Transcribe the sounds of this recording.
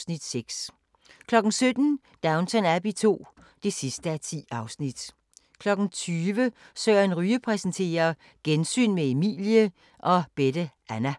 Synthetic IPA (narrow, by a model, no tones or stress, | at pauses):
nid̥seɡ̥s | kʰlɒ̽ɡ̥n̩sød̥n̩ | d̥ɑ̈ʊnt͡sʰɒnæb̥it͡sʰo̝̰ː | d̥e̝sisd̥əæt͡sʰḭːɑ̈ʊsnid̥ | kʰlɒ̽ɡ̥n̩t͡sʰyːʋəsøːɐenʁyːəpʰʁɛsnt͡sʰe̝̰ːɐ | ɡ̥ensy̰ːnmeemḭːljə | ʔɒ̽b̥ed̥əʔænæ